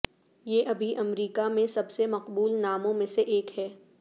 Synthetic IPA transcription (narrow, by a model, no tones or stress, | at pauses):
jeːʔɐbʱiʔɐmɾiːkamẽsɐbsemɐqbuːlnaːmõmẽseʔeːkɦɛː